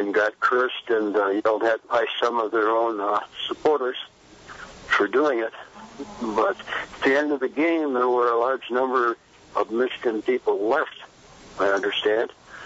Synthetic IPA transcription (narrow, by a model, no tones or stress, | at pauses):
ɨ̃nɡɑt̚kʰɜ˞stɨ̃njɛlˠd̚ɨt̚b̥aɪsʌ̃mʌvðə˞õʊ̃nsəpʰɔɹɾə˞z̥ | fə˞duɪ̃ŋɪt̚ | bʌɾɨt̪̚ðiɛ̃ndʌvðɨɡẽɪ̃mðə˞wə˞əlɑɹd͡ʒnʌ̃mbə˞ | ʌvmɪʃɨ̥kɨ̃npʰipl̩ˠlɛft | aɪʌ̃ndə˞stæ̃nd̥